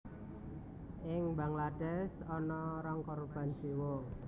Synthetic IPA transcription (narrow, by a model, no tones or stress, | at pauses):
ʔɪŋbaŋlad̥ɛsɔnɔɾaŋkɔɾb̥a̤nsiwo